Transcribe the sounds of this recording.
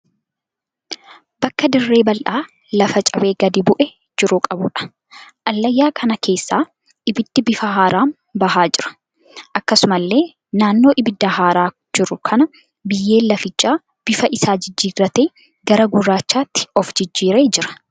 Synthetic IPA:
bɐkːɐd̪ɪrːe̞ːbɐlʔaː | lɐfɐt͡ʃʼɐbe̞ːɡɐd̪ɪbʊʔɛ | d͡ʒɪɾʊkʼɐbʊᶑɐ̥ | ʔɐlːɐjːaːkʰɐnɐkʰe̞ːsːaː | ʔɪbɪd̪̥ːɪbɪfɐɦaːɾʔaːn | bɐɦaːd͡ʒɪɾɐ̥ | ʔɐkːɐsʊmɐlːe̞ː | naːnːo̞ːʔɪbɪd̪ːɐɦaːɾaː | d͡ʒɪɾʊkʰɐnɐ | bɪjːe̞ːlːɐfɪt͡ʃʼːaː | b̥ɪfɐʔɪsaːd͡ʒɪd͡ʒːiːrːɐt̪eː | ɡɐɾɐɡʊrːaːt͡ʃːaːt̪ːɪ̥ɔfd͡ʒɪd͡ʒːiːɾe̞ːd͡ʒɪɾɐ̥

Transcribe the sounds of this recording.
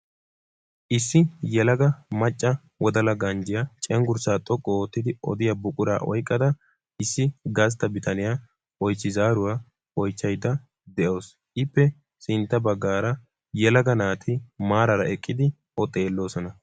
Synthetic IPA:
ʔɪsːɪjɛlɐɡɐmɐt͡ʃʼːɐ | wɔd̪ɐlɐɡɐnd͡ʒɪjat͡ʃʼɛŋɡʊɾsaːt̪ʼɔkʼːɔoːt̪ːɪd̪ɪʔɔ̰d̪ɪjɐbʊkʼʊɾa̰ːʔɔ̰jkʼːɐd̪ɐ | ɪsːɪɡɐs̬t̪ːɐbɪt̪ɐnɪjaː | ʔɔjt͡ʃːɪzaːɾʊwaː | ʔɔjt͡ʃːɐjd̪ːɐ | d̪ɛʔo̞ːs | ʔɪpːɛ | sɪnt̪ːɐbɐɡːaːɾɐ | jɛlɐɡɐnaːt̪ʰɪmaːɾɐɾɐɛkʼːɪd̪ɪ | ʔɔt̪ʼːe̞ːlːo̞ːsɔnɐ

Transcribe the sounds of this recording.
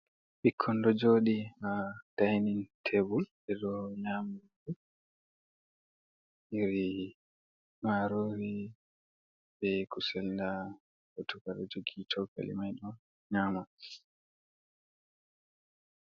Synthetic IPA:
ɓikʰːɔndɔd͡ʒoːɗihad̥ajnintʰebul | ɛɗɔɲamadu | ʔiɾi | maɾoːɾi | bɛkusɛlnda | hotukaɗɔd͡ʒoɡitʰɔka̰lḭmajɗɔn | ɲaːma

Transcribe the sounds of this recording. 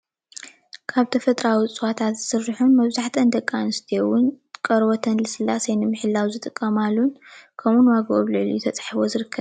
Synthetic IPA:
kʰaβt̪ʰɐfɐt̪ʼɾawit͡sʼɨwat̪ʰat̪z̥ɨsɨrɨħunmɐβzaħt̪ʰɐnd̪ɐkʼːanɨst̪ʰijowʊn | kʼɐɾwot̪ʰɐnlɨsɨlːasejnɨmɨħɨlːawzɨt̪ʼɨkʼːɐmalːunkʰɐmunwaɡoβlɨʕlṵjt̪ʰɐt͡sʼḁħaβozɨɾɨkʰːɐβ

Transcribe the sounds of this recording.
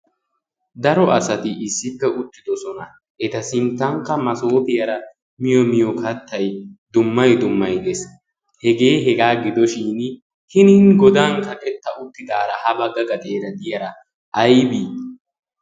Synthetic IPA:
d̪ɐɾɔʔɐsɐt̪ɪʔɪsːɪpːɛʊt̪ːɪd̪ɔsɔnɐ | ʔɛt̪ɐsɪnt̪ːɐŋkːɐmɐso̞ːp̪ɪjɐɾɐ | mɪjɔmɪjɔkʰɐt̪ːɐjd̪ʊmːɐjd̪ʊmːɐjd̪ɛs | hɛɡe̞ːɦɛɡaːɡɪd̪ɔʃiːn | hɪnɪnɡɔd̪aːŋkɐkʼɛt̪ːɐʊt̪ːɪd̪aːɾɐhɐbɐɡɐɡɐt̪ʼe̞ːɾɐd̪ɪjɐɾɐ | ʔɐjbiː

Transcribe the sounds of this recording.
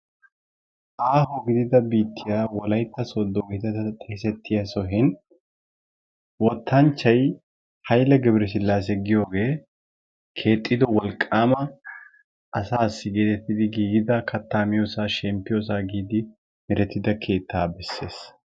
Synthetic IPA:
ʔaːɦɔɡɪd̪ɪd̪ɐbiːt̪ːɪjaːwɔlɐjt̪ːɐsoːd̪ːɔɡɪt̪ɛt̪ɐt̪ʼɛsɛt̪ːɪjasɔɦɪn | wɔt̪ʰːɐnt͡ʃːɐj | hɐjlɛɡɛbɾɛs̬ɪlːaːs̬ɛɡɪjo̞ːɡe̞ː | kʰe̞ːt̪ʼːɪd̪ɔwɔlkʼːaːmɐ | ʔɐsaːsːɪɡeːt̪ɛt̪ːɪd̪ɪɡiːɡɪd̪ɐkɐt̪ːaːmɪjoːsaːʃɛmpːɪjos̬aːɡiːd̪ɪ | mɪɾɛt̪ːɪd̪ɐkʰe̞ːt̪ʰːaːbɛsːe̞ːs

